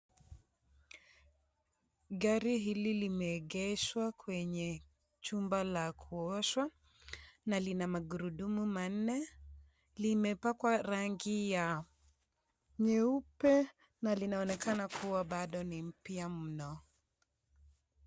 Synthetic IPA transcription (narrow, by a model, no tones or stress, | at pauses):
ɠaɾiɦililimɛːɠɛʃwakwɛɲɛ | t͡ʃumbalakʰuɔʃwa | nalinamaɡuɾuɗumuman̩nɛ | limɛpakwaɾaŋɡija | ɲɛupɛ | nalinaɔnɛkanakʰuwaɓaɗɔnim̩piamm̩nɔ